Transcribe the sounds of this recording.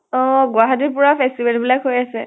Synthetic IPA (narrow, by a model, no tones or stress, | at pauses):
ɔɡʊaɦatiɹpʊɹapʰɛstibɛlbilakɦojasɛ